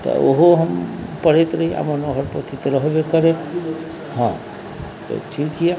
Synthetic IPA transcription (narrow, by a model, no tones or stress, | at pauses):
t̪ɔ̰oɦoɦəmpəɽet̪ɾəɦia̰mənɔɦəɾpət̪ʰit̪ɾəɦbekəɾe | ɦã | t̪ɔ̰ʈʰikiɛ